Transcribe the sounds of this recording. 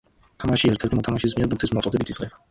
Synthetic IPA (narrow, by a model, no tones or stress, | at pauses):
t̪ʰamaʃiɛɾt̪ʰɛɾt̪ʰimɔt̪ʰamaʃis̬miɛɾbuŋkt̪ʰismɔt̪sʼɔd̪ɛbit̪ʰi̥sʁɛba